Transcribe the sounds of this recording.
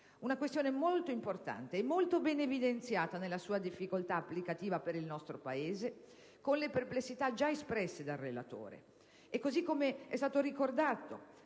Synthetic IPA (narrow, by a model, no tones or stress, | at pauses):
unakwest̪joːnemolt̪oimport̪a̰nt̪eɛmːolt̪obɛnevid̪ent̪sjaːt̪anelːasuːad̪ifːikolt̪aːpːlikat̪iːvapeɾilnɔst̪ɾopaeːze | konleperplesːit̪ad͡ʒaespɾɛsːed̪arːela̰t̪o̰ːɾḛː | kːozikːomeɛ̰st̪aːt̪oɾikord̪aːt̪o